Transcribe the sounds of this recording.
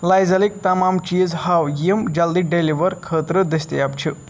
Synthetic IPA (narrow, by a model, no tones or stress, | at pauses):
lajzɐlik̚t̪ɐmamt͡ʃizhawjimd͡ʒɐld̪iɖeliʋəɾkʰəːt̪ɾɨd̪ɐst̪iapt͡ʃʰi